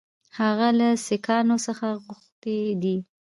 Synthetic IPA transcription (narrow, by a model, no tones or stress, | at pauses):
haɣalasekɑnosəxaɣʊxt̪ed̪i